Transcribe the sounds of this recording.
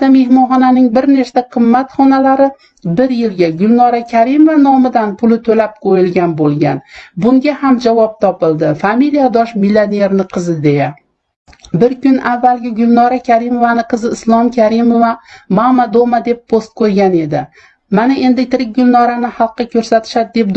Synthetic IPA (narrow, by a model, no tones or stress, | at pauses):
t̪ame̞hmɒnχɒnanɪŋbɪɾne̞ʃt̪aqʰɨmːat̪χɒnalaɾɪ | bɪɾjɪlɡʲaɡʊlˠnɒɾakʲʰaɾimovanɒmɪd̪anpʰʊlɪt̪ʰɵlap̚qʰojɪlɡʲanbolˠɡʲanbʊŋɡʲahamd͡ʒavɒp̚t̪ʰɒpɪlˠd̪ɪfamilijad̪ɒʃmilʲane̞ɾnɪqʰɨzɪd̪e̞ja | bɪɾkʲʊnavːalˠɡʲɪɡʊlˠnɒɾakʲʰaɾimo̞vanɪqʰɨzɪɪslˠɒmkʲʰaɾimovamamad̪omad̪e̞pːʰost̪̚kʰɵɾɡʲane̞d̪ɪ | manaʔe̞nd̪ɪt̪ʰɪɾɪk̚ʲɡʊlˠnɒɾanɪhɑlˠqːɑkʲʰɵɾsat̪ʰɪ̥ʃad̪d̪e̞p̪̚